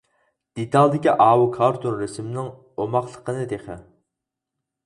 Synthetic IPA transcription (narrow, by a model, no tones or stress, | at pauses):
d̪̥et̪ɑlˠd̪ɪkʲiʔɑːwukʰɑɾt̪unɾesmɪnɪŋ | omɑχlˠəqʰənɨd̪eχɪ̰